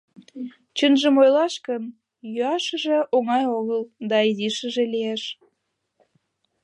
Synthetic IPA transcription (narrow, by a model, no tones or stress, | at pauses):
t͡ɕənʒəmojlɑʃkən | jyɑʃə̆ʒeʔoŋɑjoɣəld̪ɑiziʃə̆ʒelieʃ